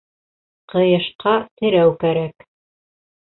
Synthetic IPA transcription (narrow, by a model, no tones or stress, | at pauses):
qɤ̆jɤ̆ʃqɑt̪ɘ̆ɾæwkæɾæk